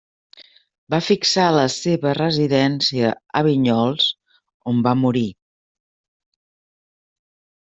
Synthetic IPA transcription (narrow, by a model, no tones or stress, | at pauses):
bafiksaləseβərəziðɛnsiəəβiɲɔlˠs | ombamuɾi